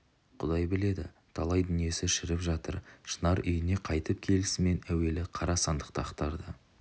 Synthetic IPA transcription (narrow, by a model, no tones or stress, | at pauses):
qʰʊ̰d̪ɑjbɪle̞d̪ɪ̰ | t̪ʰɑlˠɑjd̪ʏnije̞sɪʃɪɾɪpʒɑt̪əɾʃənɑɾʔʏjɪne̞qʰɑjt̪əp̚kʲʰe̞lɪsɪme̞næwe̞lɪqʰɑɾɑsɑnd̪əq̚t̪əɑqt̪ɑɾd̪ə